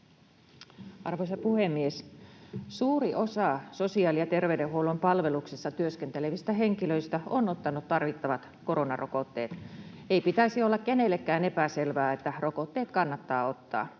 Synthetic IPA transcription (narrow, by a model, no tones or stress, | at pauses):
ʔɑrʋoisɑpuhemːies | suːriʔo̞sɑsosiɑːlijɑt̪erʋeydehɦˑuolompɑlʋe̞luksisːɑt̪yøskent̪eleʋist̪æɦeŋkiløist̪æonot̪ːɑnut̪t̪ɑrʋit̪ːɑʋɑt̪ko̞ronɑ̰rʔokot̪ːḛːt̪ | eipit̪æisiolːɑkkenelːekːæːnepæselʋæːet̪ːærokot̪ːeːt̪kɑnːɑt̪ːɑːo̞t̪ːɑ̰ː